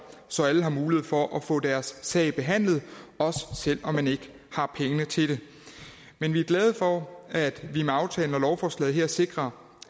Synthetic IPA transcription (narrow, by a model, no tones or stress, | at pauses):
sɒ̽æləɦɑ̈muːlieð̞̩ˠfɒ̽ʔæfɔ̰̽ːd̥æɐsːɛ̰ɪb̥e̝ɦæn̰lð̞̩ˠɒ̽sə̥sel̰ɒ̽mːæne̝ɡ̥ə | hɑ̈pʰeŋənət͡sʰe̝ɾ̥e̝ | menʋiæɐɡ̥lɛð̞ˠfɒæd̥ʋimeɑ̈ʊt͡sʰɛ̰ːln̩ɒlɒʊfɒːslɛ̰ːðˠɦeɐse̝ɡ̥ʁɐ